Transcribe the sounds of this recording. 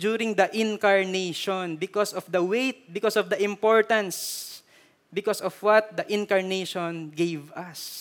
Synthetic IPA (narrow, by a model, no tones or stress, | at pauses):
d͡ʒuɾɪ̃ŋd̪ɐʔɪ̃nkaɹnejʃɔnbɪkɔsɔfd̪ɐwejt̪̚bɪkɔsɔvd̪ɐʔɪ̃mpɔɹt̪ɐ̃ns | bɪkɔsɔfwɐt̪̚d̪ɐʔɪ̃nkɐɹneʃɔ̃nɡejvɐs